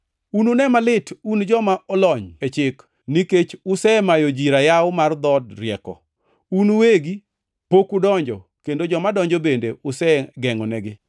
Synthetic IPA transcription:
ununɛmalɪtʰund͡ʒɔmaʔɔlɔɲet͡ʃɪk | niket͡ʃʊsɛmajod͡ʒiɾajawʊmard̪ɔdɾɪɛkɔ̰ | unuweɡi | pokudɔɲd͡ʒɔ | kendod͡ʒɔmadɔɲd͡ʒɔbendeʊsɛɡɛŋɔnɛɡɪ

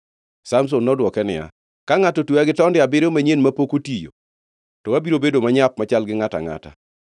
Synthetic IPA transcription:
sams̬onːɔdwɔkɛnɪ̰ja̰ | kaŋatotwuaɡɪtɔndɪabɪɾomaɲenmapokotijo̰ | tɔwabiɾobedomaɲap̚mat͡ʃalɡɪŋata̰ŋa̰ta̰

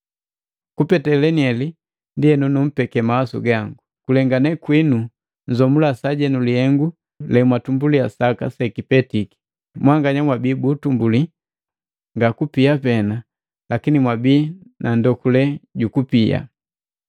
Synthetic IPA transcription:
kupɛtɛlɛniɛli | ndiɛnunum̩pɛkɛmawasṵɡaŋɡukulɛŋɡanɛkwinu | n̩zɔmulasaɟɛnulihɛŋɡu | lɛmwatumbuliasaka̰sɛkipɛtiki̥ | mwaŋɡaɲamwabiːbutumbuli | ŋɡakupiapɛna | lakinimwabiːnʔandɔkulɛɟukupia̰

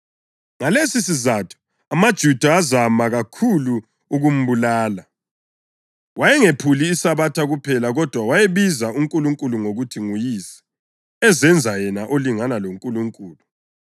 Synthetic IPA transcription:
ŋalesisizatʰu̥ | amad̥ʒ̥ʱud̥ʱazamaɣakʰulu | uɣum̩βulaːla | wajɛŋepʰuliːsaβatʰaɣupʰɛlaɣɔd̥ʱwawajeβizauŋkʼuluŋkʼuluŋoɣutʰiŋujisɛ̥ | ɛzɛnd͡zʱajɛnaʔoliŋanaloŋkʼuluŋkʼuːlu

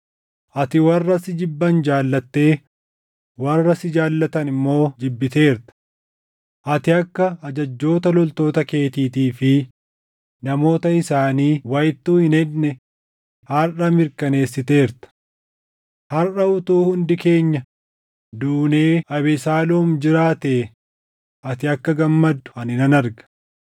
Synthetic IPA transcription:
ʔɐt̪ɪwɐrːɐsɪd͡ʒɪbːɐnd͡ʒaːlːɐt̪ːe̞ː | wɐrːɐsɪd͡ʒaːlːɐt̪ɐnɪmːo̞ːd͡ʒɪbːɪt̪e̞ːɾt̪ɐ̥ | ʔɐt̪ɪɐkːɐːd͡ʒɐd͡ʒːo̞ːt̪ɐlɔlt̪o̞ːt̪ɐke̞ːt̪iːt̪iːfɪ | nɐmo̞ːt̪ɐɪsaːniːwɐjɪt̪ːuːhɪnɛdnɛ | hɐrɐmɪɾkɐne̞ːsːɪt̪e̞ːɾt̪ɐ̥ | hɐrʔɐʊt̪uːhʊnd̪ɪke̞ːɲːɐ | d̪uːne̞ːɐβɛsaːluːmd͡ʒɪɾaːt̪eː | ɐt̪ɪɐkːɐɡɐmːɐd̪ːʊ̥ɐnɪnɐnɐɾɡɐ̥

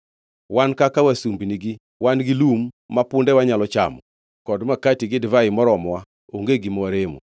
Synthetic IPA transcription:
wankakawasumbiniɡi | wanɡilumː | apʊndɛwaɲalɔt͡ʃa̰mɔ | kɔdmakatiɡɪdvaɪmɔɾɔmwa | oŋɡeɡimɔwaɾemo̰

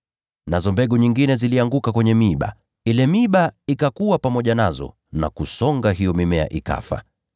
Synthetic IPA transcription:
nazɔmbɛɠuɲiŋɡinɛziliaŋɡukakwɛɲɛmiɓa̰ | ilɛmiɓaikakuwapamɔʄanazɔ̰ | na̰kusɔŋɡaɦijɔmimɛa̰ʔika̰fa̰

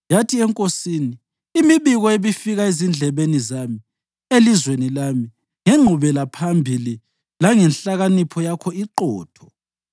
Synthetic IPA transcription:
jatʰiɛŋkʼosiːniː | miβiɣɔeβifiɣaezind͡ɮʱɛβenizami | elizwenilami | ŋɛŋ͡ǃʱuβɛlapʰambʱili | laŋɛnɬaɣanipʰɔjakʰɔiǃɔːtʰɔ̥

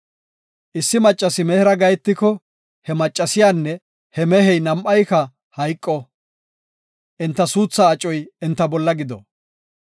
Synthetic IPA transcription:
ʔɪsːɪmɐt͡ʃʼːɐsɪmɛhɪɾɐɡɐjɛt̪ːɪkɔ | hɛmɐt͡ʃʼːɐsɪjaːnːɛ | hɛmɛhɛjnɐmʔɐjkɐ | hɐjkʼːɔ | ʔɛnt̪ːɐsuːt͡sːɐːt͡ʃʼːɔjɛnt̪ːɐbɔlːɐɡɪd̪ɔ̰

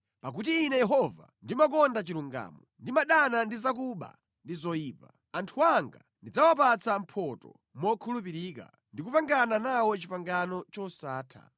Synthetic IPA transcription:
pak̬utiːnɛjɛɦɔva̰ndimak̬ɔndat͡ʃiɾuŋɡa̰ːmɔndimaɗanandizak̬uɓa̰ | ndizɔjiːpa | antʰuaŋɡa̰ | ndid͡zawapat͡sam̩pʰɔtɔ̰ | mɔkʰulupiɾiːka̰ | ndikupaŋɡananawɔt͡ʃipaŋɡanɔt͡ʃɔsaːtʰa̰

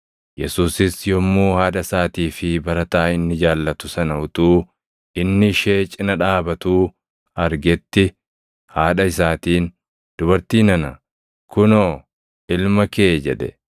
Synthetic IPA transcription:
jɛsuːsɪsjɔmːuːhaːᶑɐsaːt̪iːfɪbɐɾɐt̪aːɪnːɪd͡ʒaːlːɐt̪ʊsɐnɐʊt̪uː | ɪnːɪʃeːt͡ʃʼɪnɐᶑaːbɐt̪uː | ɐɾɡɛt̪ːɪ | haːᶑɐɪsaːt̪iːn | d̪̥ʊbɐɾt̪iːnɐnɐ | kʊnoː | ɪlmɐke̞ːd͡ʒɛᶑ̪ɛ̰

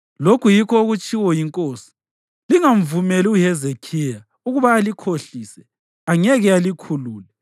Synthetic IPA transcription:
lokʰujikʰɔuɣut͡ʃʼiwɔjiŋkʼoːsi̥ | liŋaɱvumɛliuhɛzekʰija | uɣuβaːlikʰoɬisɛ | aŋɛɣɛalikʰuluːlɛ

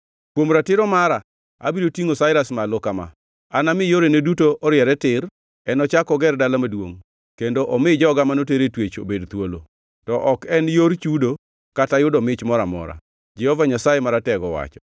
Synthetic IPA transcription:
kwomɾatɪɾɔmaɾa | a̰biɾotiŋosaɪɾasmalokama̰ | anamɪjoɾenedutoɔɾjɛɾɛtɪr | ɛnɔt͡ʃakɔɡɛrdalamadwoŋ | kendoʔɔmɪd͡ʒɔɡamanoteɾetwet͡ʃo̰bedt̪wolo̰ | tɔʔɔkɛnjoɾt͡ʃudo | katajʊdɔmɪt͡ʃmɔɾamɔ̰ɾa̰ | d͡ʒɛhɔvaɲasajemaɾatɛɡɔwa̰t͡ʃɔ

